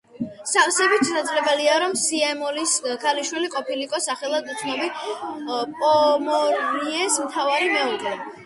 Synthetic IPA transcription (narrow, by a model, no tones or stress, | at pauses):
sasɛbit̪t͡ʃʰʼɛsad̪zɾɛbɛliaɾɔmsiɛmɔliskʰaliʃwiliqʼɔpʰilikʼɔsaχɛlˠad̪ut̪sʰnɔbi | pʼɔmɔɾiɛsmt̪ʰavaɾimɛɔɡɛ